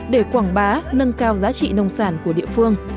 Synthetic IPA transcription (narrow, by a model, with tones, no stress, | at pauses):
ɗe˧˩kwaː˧˩ŋɓaː˨˦nə˧nkaː˧wzaː˨˦t͡ɕḭ˧˨nə˧wŋ͡msaː˧˩nku˧˩əɗḭ˧˨əfɨ˧əŋ